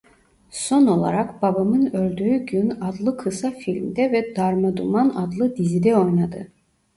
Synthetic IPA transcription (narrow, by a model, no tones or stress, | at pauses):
so̞no̞lˠa̰ɾakb̥abamɯnølʲd̪yːyɟynad̪lˠɯkʰɯsafilʲmd̪ɛvɛd̪aɾmad̪umanad̪lˠɯd̪izid̪ɛo̞jnad̪ɯ